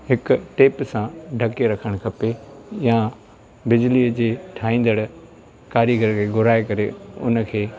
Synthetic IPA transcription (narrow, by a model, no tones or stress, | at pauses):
hɪkʊʈeːpsãɖʱɐkeɾɐkʰəɽ̃kʰɐpejã | bɪd͡ʑliəd͡ʑeːʈʰaːĩːn̆d̪əɽ | kaːɾiɡəɾkʰeːɡʊɾaːekɐɾeʊ̰nə̆kʰeː